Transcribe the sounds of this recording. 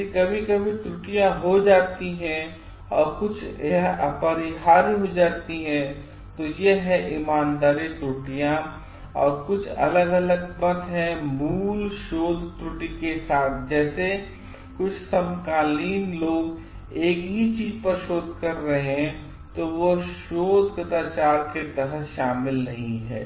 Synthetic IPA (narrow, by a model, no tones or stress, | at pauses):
ikɐbʱikɐbʱit̪ɾʊʈijãɦod͡ʒaːt̪iɦɛ̃ | ɔːɾkʊt͡ʃʰepəɾiɦaːɾiɦod͡ʒaːt̪iɦɛ̃ | t̪ojeɦɛʔɪmaːnd̪aːɾit̪ɾʊʈijã | ɔ̰ːɾkʊt͡ʃʰɐ̰ləɡɐləɡbɐt̪ɦɛmuːlʃoːd̪ʱʈ̪ɾʊʈikesaːt̪ʰd͡ʒɛːse | kʊt͡ʃʰsɐmkaːliːnloːɡ | eːkɦit͡ʃiːzpɐɾʃoːd̪ʱkɐɾːɐɦeɦɛ̃ | t̪oʋoʃoːd̪ʱkət̪aːt͡ʃaːɾket̪əɾəʃaːmɪlnɐɦĩɦɛ̰ː